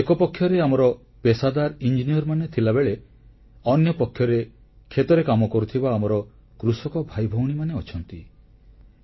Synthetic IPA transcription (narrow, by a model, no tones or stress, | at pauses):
ekɔpɔkʰːjɔɾeamɔɾɔ | pesad̪aɾind͡ʒinijɔɾmanet̪ʰilabeɭe | ɔnjɔpɔkʰjɔɾe | kʰet̪ɔɾekamɔkɔɾut̪ʰibaːmɔɾɔ | kɾusɔkɔbʱajbʱɔwɽ̃imaneɔt͡ʃʰɔnt̪i